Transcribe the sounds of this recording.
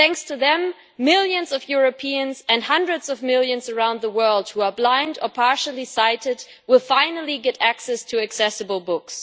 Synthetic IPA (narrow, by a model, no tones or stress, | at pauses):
θæ̃ŋkstʰɨðɨ̃mː | ɪlˠjɨ̃nzʌvjʊɹɨpʰiɨ̃nzɨ̃nhʌ̃ndɹɨdz̥ʌvmɪlˠjɨ̃nzə˞ãʊ̃nðəwɜ˞lˠd̚huə˞blãɪ̃ndə˞pʰɑɹʃl̩ˠisaɪɾɪd̚ | wɪlˠfãɪ̃nl̩ˠiɡɛɾæksɛstʰɨɨksɛsɨbl̩ˠbʊks